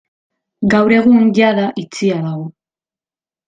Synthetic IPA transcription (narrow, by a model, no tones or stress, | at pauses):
ɡawɾe̞ɣuŋɟaðaʔit͡sialaɣo